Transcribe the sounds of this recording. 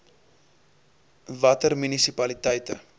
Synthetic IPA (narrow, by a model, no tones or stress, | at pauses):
vɐtərmynisipɐlitɛjtə